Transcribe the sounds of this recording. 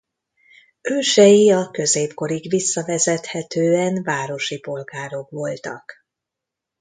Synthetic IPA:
øːʃɛjiɒkø̞zeːpko̞ɾiɡʋisːɒvɛzɛt̪hɛt̪øːɛnvaːɾo̞ʃipo̞lɡaːɾo̞kʋo̞lt̪ɒ̰k

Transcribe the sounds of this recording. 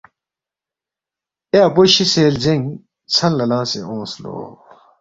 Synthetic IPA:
eɐpoɕiseːld͡ʑeŋ | t͡sʰɐnlɐlãːsḛõːslo̰ː

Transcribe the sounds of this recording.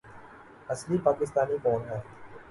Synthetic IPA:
ɐslipaːkɪs̬t̪aːnikɔːnɦɛː

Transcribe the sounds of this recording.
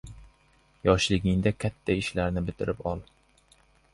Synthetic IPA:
jɒʃlɪɡʲɪŋd̪akʲʰat̪ʰːaɪʃlaɾnɪbɪt̪ʰɪɾʔɪpɒlˠ

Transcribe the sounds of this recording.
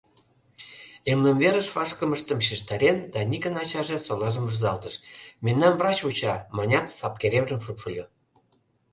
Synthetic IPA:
emlə̆mveɾə̆ʃβɑʃkəməʃt̪ə̆mʃ̬iʃt̪ɑɾʲend̪ɑnʲikə̆nɑt͡ɕɑʒĕsolɑʒə̆mʒuzɑlt̪əʃmenːɑnvrɑt͡ɕut͡ɕɑmɑnʲɑt̪sɑp̚keɾemʒə̆mʃupʃulʲo

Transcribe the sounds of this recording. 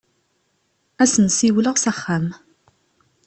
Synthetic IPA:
æsənsiwləʁsæχːam

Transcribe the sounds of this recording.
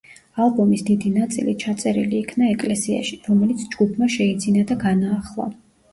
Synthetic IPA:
alˠbɔmisd̪id̪inat̪sʼḭlit͡ʃʰat̪sʼɛɾiliːkʰnaɛkʼlɛsia̰ʃi̥ɾɔmɛlit̪sʰd͡ʒɡupʰmaʃɛid̪zinad̪aɡanaːχlˠa̰

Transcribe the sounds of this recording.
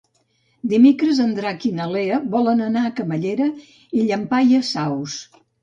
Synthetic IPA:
d̪imekɾəzənd̪ɾakinəleəβɔlənənaəkəməʎeɾə | iʎəmpajəsaws

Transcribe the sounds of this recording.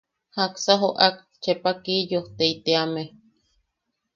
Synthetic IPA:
haksaɦoʔak̚ | t͡ʃepakijoht̪eit̪eame

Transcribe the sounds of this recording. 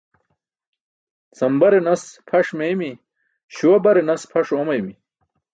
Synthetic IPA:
t͡sɐmbɐɾenɐspʰɐʂmemi | ɕuwɐbɐɾenɐspʰɐʂomɐjimi

